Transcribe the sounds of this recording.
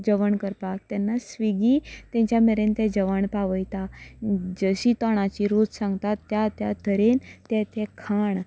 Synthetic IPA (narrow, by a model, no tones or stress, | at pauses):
d͡ʑəʋəɳkəɾpak̚t̪ɛnːasʋiɡiːt̪jɛ̃ɲt͡ɕjameɾent̪ɛ̃d͡ʑəʋaɳpaʋəjt̪a | d͡ʑəɕit̪ɔɽ̃at͡ɕiɾut̪sãŋɡt̪at̪ːjat̪jat̪ʰəɾent̪ɛt̪ɛkʰaɳ